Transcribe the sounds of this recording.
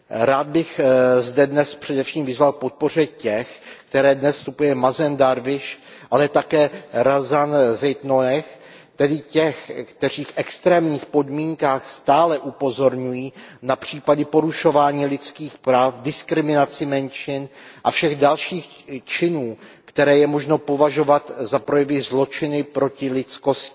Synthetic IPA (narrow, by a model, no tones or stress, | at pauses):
ɾaːd̪̚bɪxzdɛdnɛspr̝̥ɛdɛfʃiːmvɪzvalpo̞t̪̚po̞r̝ɛcɛxkt̪ɛɾɛːdnɛsːt̪upujɛmazɛndaɾvɪʃʔalɛt̪akɛːɾazanzɛjt̪nonɛx | t̪ɛdɪcɛxkt̪ɛr̝iːfʔɛkst̪ɾɛːmɲiːxpo̞dmiːŋkaːxst̪aːlɛʔupo̞zo̞ɾɲujiːnapr̝̥iːpadɪpo̞ɾuʃo̞vaːɲiːlɪt͡skiːxpɾaːfdɪskɾɪmɪnat͡sɪmɛnʃɪnʔafʃɛɣdalʃiːx | t͡ʃɪnuːkt̪ɛɾɛːjɛmo̞ʒno̞po̞vaʒo̞vat̪zapɾo̞jɛvɪzlo̞t͡ʃɪnɪpɾo̞cɪlɪt͡sko̞scɪ̥